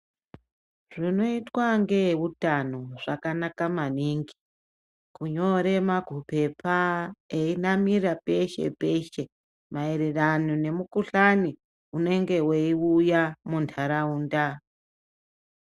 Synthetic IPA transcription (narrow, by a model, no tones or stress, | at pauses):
ʐino̞itwaŋɡe̞wutanoʐakanakamaniŋɡi̥ | kuɲo̞ɾe̞maɡʱupe̞paeinamirape̞ʃe̞̰pe̞ʃe̞ | maeɾeranine̞mukuɬani | une̞ŋɡe̞weiujamuntʰaɾauːnda